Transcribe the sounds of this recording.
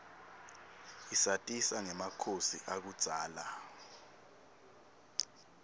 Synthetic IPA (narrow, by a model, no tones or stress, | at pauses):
isatʼisaŋɛmakʰosiʔak̬ud̥z̥ʱaːla